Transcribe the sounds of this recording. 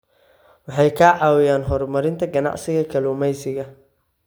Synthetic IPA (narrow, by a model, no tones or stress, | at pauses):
wɑħɑjkʰaːʕɑːwɪjaːnɦɔrmɐɾɪnt̪ʰɐɡɐnɑ̰ʕsɪɣɐkʰɐlʊːmɛjsɪɣɐ